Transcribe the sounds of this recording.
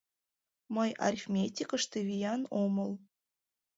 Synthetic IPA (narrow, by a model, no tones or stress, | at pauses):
məjʔa̰rʲfʲmʲet̪ʲikə̆ʃt̪ĕvʲijɑnomɤ̆lˠ